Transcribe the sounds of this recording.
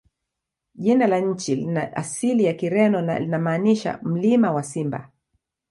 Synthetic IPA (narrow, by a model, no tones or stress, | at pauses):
ʄinalaɲ̩t͡ʃilnaa̰silijakiɾɛnɔna̰linamaːniʃa̰m̩limawasimba̰